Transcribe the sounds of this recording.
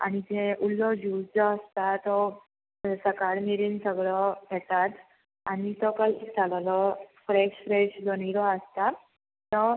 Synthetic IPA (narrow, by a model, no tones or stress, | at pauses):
a̰ñid͡zeʔulːɔd͡ʑud͡zɔəst̪at̪ɔ | səkaɽmiɾiːnsəɡɭɔɡʱet̪at̪ | añit̪ɔkəld͡zalalɔfɾeɕfɾeɕd͡zɔñiɾɔəst̪a | t̪ɔ